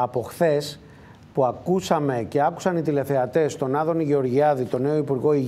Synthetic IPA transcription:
ɐpo̞xθe̞s | puɐkusɐme̞ce̞ɐku̥sɐnit̪ile̞θe̞ɐt̪e̞st̪o̞nɐðo̞niʝeo̞ɾʝiɐðit̪o̞ne̞o̞ipuɾɣo̞i

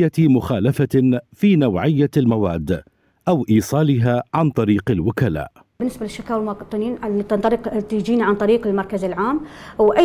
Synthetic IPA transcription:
amʊxaːlafafiːnawʕɪjːalmawaːd̪ː | ʔawʔiːsˤɑːlɪɦaːʕant̪ˤɑɾiːqalwʊkala̰ːʔ | bɪnːɪsbalɪʃːakaːwlmɑqt̪ˤːɨniːnt̪nt̪ˤɾɪqt̪id͡ʒiːnʕant̪ˤɑɾiːqɪlmɑɾˤkazɪlʕaːmwʔa

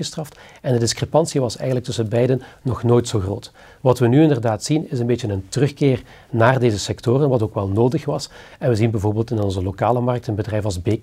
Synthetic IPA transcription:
əstrɑft | ɛndədɪskrepɑnsiʋɑsɛ̰jɣənlək̚tɵsənbɛjdənːɔxnoːjtsoːxroːt | ʋɑtʋənyɪndərdaːtsinɪs̬ənbetənəntərɵxkɪːr | naːrdeːzəsɛktorənʋɑtoːkʋɛlˠnoːdəxʋɑs | ɛnʋəzinbɛjvoːrbeːlˠtɪnɔnzəlokaːləmɑrk̚tənbədrɛjfɑlˠzbeː

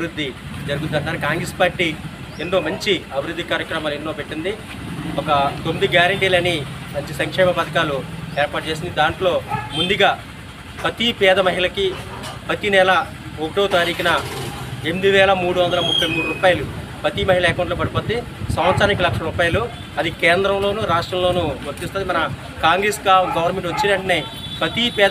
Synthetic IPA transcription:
ɐbiɾud̪ʱːid͡ʒɐɾuɡut̪ːɐɳʈːaːɾukaːŋɡɾeːspaːɾʈi | enːo̞ːmɐɲt͡ʃiɐbʱiɾud̪ʱːikaːɾjɐkɾɐmaːluenːo̞ːpeʈːind̪i | ɔkɐt̪omːid̪iɡjaːɾɐɳʈiːlɐnimɐɲt͡ʃisɐŋkʂɛːmɐpɐt̪ɐkaːlueːɾpaːʈ̚t͡ʃeːs̬ind̪id̪aːɳʈlo̞ːmund̪uɡaː | pɐt̪ipɛːd̪ɐmɐɦiɭɐki | pɐt̪inɛlɐ | okʈoːt̪aːɾiːkinɐ | emd̪iʋɛːlɐmuːɽuʋɐnd̪ɐlɐmupʰːɐjmuːɽuɾuːpaːjɐlu | pɐt̪imɐɦilɐeːkɐwɳʈloːp̬ɐɽipoːt̪e | sɐmʋɐt̪sɾaːnik̬ːilɐkʂɐlɐɾuːpaːjɐlu | ɐd̪ikeːnd̪ɾɐmlo̞ːnuːɾaːʂʈɾɐmlo̞ːnuːʋɐɾt̪ːist̪onːd̪imɐnɐ | kaːŋɡɾeːsɡaɡɐʋɐɾnme̞ɳʈʋɐt͡ʃːinɐɳʈɐne | pɐt̪ipɛː

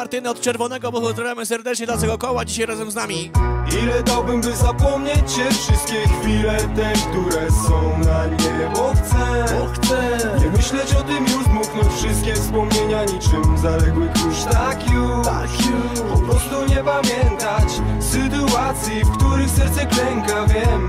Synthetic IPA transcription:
aɾt̪ɘnɛɔt̪̚t͡ʂɛɾvɔnɛɡɔbɔɔzɾavʲjamɘsɛɾd̪ɛt͡ʂɲɛd̪lat̪ɛɡɔkɔwad͡ʑiɕajɾazɛmznamʲiilɛd̪awbɘmbɘzapɔmɲet͡ɕɕɛfʂɘst̪̚kʲɛxfʲilɛt̪ɛkt̪uɾɛsɔ̃w̃namɲɛmɔt̪sɛxt̪sɛɲɛmɘɕlɛt͡ɕɔt̪ɪmiuzmuknɔfʂɨst̪̚kʲɛfspɔmɲeɲaɲit͡ʂɛmvzalɛɡwɘxuʂt̪akʲuaku | pɔpɾɔst̪uɲɛpamʲjɛnt̪at͡ɕsɘt̪uat̪sʲjifkt̪uɾɘxsɛɾt̪sɛklɛŋkavʲjɛm

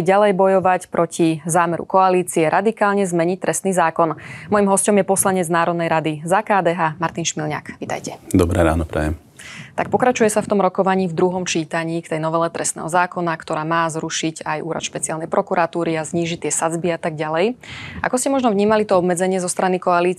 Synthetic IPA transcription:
ɟalɛjbɔjɔʋacpɾʔɔcʰizaːmɛɾṵkɔaliːt͡siɛɾʔad̪ikaːlɲɛzmɛɲic̚t̪ɾɛst̪niːzaːkɔnmɔjimɦɔscɔmjɛpɔslaɲɛd͡znaːɾɔd̪nɛjɾad̪izakaːd̪ɛːɦaːmaɾt̪inʃmilɲa̰kʋit̪a̰jcɛd̪ɔbɾɛɾa̰ːnɔpɾɛ̰jɛm | t̪ak̚pɔkɾat͡ʃujɛsaft̪ɔmɾɔkɔʋaɲiːvd̪ɾuɦɔmt͡ʃiːt̪aɲiːkt̪ɛjnɔʋɛlɛt̪ɾʔɛst̪ɛ̰ːɦɔzaːkɔnakt̪ɔɾaːmaːzɾuʃicajṵːɾa̰t̪ʃpɛt͡sialnɛjpɾɔkuɾat̪uːɾiazɲiːʒict̪ɪɛsad͡zbiat̪aɡ̚ɟalɛja̰kɔscɛmɔʒnɔvɲiːmalit̪ɔɔbmɛd͡zɛɲɪɛzɔst̪ɾanikɔaliː

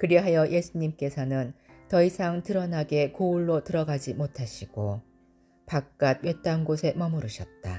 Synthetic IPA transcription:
kɯɾʌɦajʌjʔe̞sʰuɲimk͈e̞sʰʌnɯn | tʌisʰaŋtɯɾʌnaɡe̞kouɭːotɯɾʌɡad͡ʑimotʰaɕʰiɡ̥o | pak̚k͈ad̚ɥet̚t͈anɡosʰe̞mʌmɯɾɯɕʰʌt̚t͈a̰

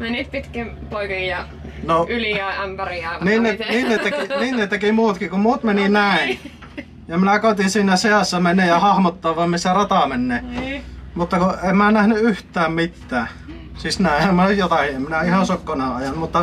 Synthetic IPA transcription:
mæniːt̪pit̪kim | poˑikijjɑ | noyliææmpæriæˑniːnneniːnnet̪ːekiniːnnet̪ekimuːt̪kikumuːt̪meninæˑin | jɑminækoˑt̪insiːnæseɑsːɑmenːˑeːjɑhɑhmot̪ːoːʋɑmmisːærɑt̪ɑmenːeː | mut̪ːɑkuemmænæhnyyht̪ˑæːmmit̪ːæː | sisnæˑiemmænyjjot̪ɑkiemminæihɑnsokːonɑˑɑjɑnmut̪ːɑ

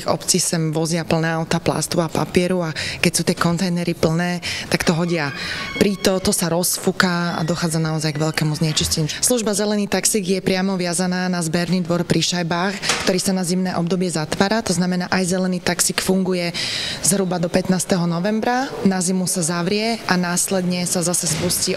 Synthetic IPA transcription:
ɔ̰pt͡sisɛmʋɔzɪapl̩nɛːaʊt̪apla̰st̪uapa̰pɪɛɾuakɛcsuːt̪ɪɛkɔnt̪ɛjnɛɾipl̩nɛːt̪akt̪ɔɦɔɟɪapɾit̪ɔt̪ɔsaɾɔsfukaa̰d̪ɔxaːd͡zanaɔzajɡʋɛʎkɛmuzɲɛt͡ʃiscɛɲusluʒbazɛlɛniːt̪aksiɡjɛpɾɪamɔʋɪazanaːnazbɛɾniːd̪ʋɔɾpɾʔiʃajbaːxkt̪ɔɾiːsanazimnɛːʔɔb̚d̪ɔbɪɛzat̪ʋaːɾat̪ɔznamɛnaːʔajzɛlɛniːt̪aksikfuŋɡujɛzɦɾubad̪ɔpɛt̪naːst̪ɛɦɔnɔʋɛmbɾanazimusazaʋɾɪɛʔanaːslɛd̪ɲɛsazasɛspusci

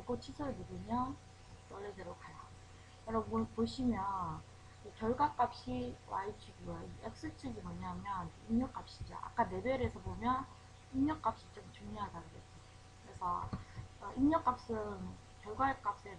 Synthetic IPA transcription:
aɭɡot͡ɕʰisʰɯɾmɯɡɯɲa | t͈ʌɭːedeɾokʰaja̰ | kʌɾʌopoɕʰimjʌn | ɯkjʌɭɡwak͈ap̚ɕ͈iwa̰it͡ɕʰuɡiwaiek̚s͈ɯt͡ɕʰiɡimʌɲaɦamjʌnimɲʌk͈ap̚ɕ͈i̥d͡ʑo̰ʔa̰k͈ane̞beɾesʰʌbomjʌn | imɲʌk͈ap̚ɕ͈it͡ɕ͈oŋt͡ɕuŋjoɦadaɡɯɡe̞̰t͡ɕ͈o | kɯɾe̞sʰʌ | ʔimɲʌk͈ap̚s͈ɯŋ | kjʌɭɡwaek͈ap̚s͈e

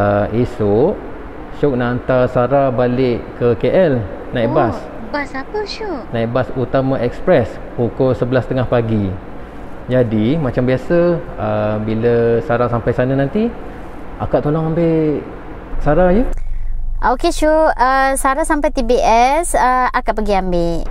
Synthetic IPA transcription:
əisʊʔ | ʃʊk̚naʔːnt̪asaɾabalɪʔkəkeʔɛlnabas | basapəʃuʔnaʔbasut̪amaʔɛkspɾɛs | pukʊlsəbəlast̪əŋahpaɡi | d͡ʒadimat͡ʃambiasə | əbiləsaɾasampajsananant̪i | ʔa̰kaʔt̪olɔŋambe | saɾajə | ʔokeʃuəsaɾasampajt̪ibiʔɛsəakaʔpəɡiambeʔʔ

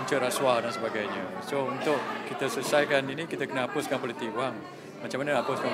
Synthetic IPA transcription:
ɲt͡ʃəɾaswadansəbaɡajɲəsount̪ʊʔkit̪əsusajkaninikit̪əkənəapʊskanpolit̪ɪk̚aŋ | mat͡ʃamːanəapʊska

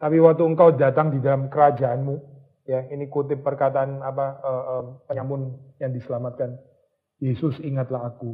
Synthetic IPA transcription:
t̪apiwak̚t̪uəŋkawdat̪aŋdidalamkəɾad͡ʒaʔanmu | jainikut̪ɪpːərkat̪aʔanapaəːʔəmpəamʊnjaŋdisəlamat̪̚kan | jesʊsiŋat̪laɦaku

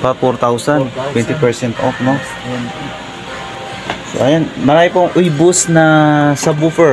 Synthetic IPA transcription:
pafɔɾt̪awsɐnt̪wɛnt̪ɪpɛɹsɛnt̪ofno | so̰ʔɐjanmɐɾaːjɪpoŋʔʊjbʊsnɐsɐbufɛ

